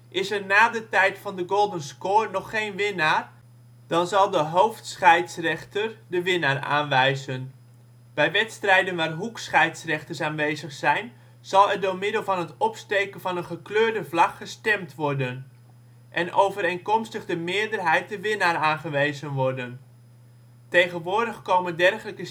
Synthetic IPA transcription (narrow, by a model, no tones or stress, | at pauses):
ʔɪsɛrnaːdətɛjtfɑndəɡolˠdənskoːrnɔχːejnʋɪnaːr | d̥ɑnzɑlˠdəɦowftsχɛjtsrɛχtərdəʋɪnaːra̰ːnʋɛjzən | b̥ɛjʋɛtstrɛjdənʋaːrɦuksχɛjtsrɛχtərsaːnʋejzəχsɛjn | z̥ɑlˠɛrdʊːɹmɪdəlˠvɑnɦətɔpstejkənvɑnənχəkløːɹdəvlɑkχəstɛmtʋɔrdən | ʔɛnʔowvəɾejnkɔmstəχdəmɪːəɹdərɦɛjt̚dəʋɪnaːɾaːnχəʋejzənʋɔrdən | tejχənʋʊːɹdəχkowməndɛrχələkə